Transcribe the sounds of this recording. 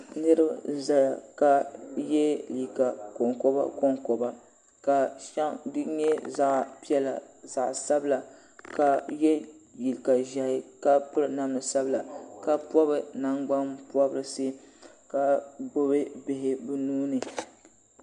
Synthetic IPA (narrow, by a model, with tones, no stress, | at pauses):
nɨ˦ɾɨ˦ba˦za˦ja˨ka˨jɛ˦li˨ka˨kɔ˨ŋkɔ˦ba̰˦ko˦ŋkɔ˨ba˦ | ka˨ʃa˦ŋdɨ˦ɲɛ˦za˨ʔpi˦ɛ˦la˨za˨ʔsa˦bla˨ | ka˨jɛ˦ji˨lka˨ʒa˨hɪ˦ka˦pɨ˦ɾɨ˨na˦m˦nɨ˨sa˦bla˨ka˦pɔ˦bɨ˨na˦ŋɡ͡ba˦mpu˦ɔ˦bɨ˦ɾɨ˦˨se˦ka˨bo˦βɨ˦bɪ˨ɦɪ˦bɨ˦nuː˦nɨ˨